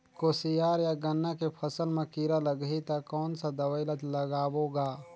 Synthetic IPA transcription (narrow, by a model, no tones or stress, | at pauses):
koːsijaːɾjaɡɐnːakepʰəsəlmɐ̃kiːɾaləɡɦit̪akɔːnsad̪ɐwaɪlət̪lɐɡaːwoːɡaː